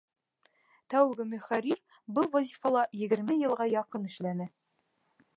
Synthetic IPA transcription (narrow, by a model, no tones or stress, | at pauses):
t̪æwɡɘmɵ̆χæɾʲiɾ | bɤlˠvɒzʲifɑlˠɑjɘ̆ɡɘ̆ɾmɘjɤ̆lˠʁɑjɑqɤnɘ̆ʃlænɘ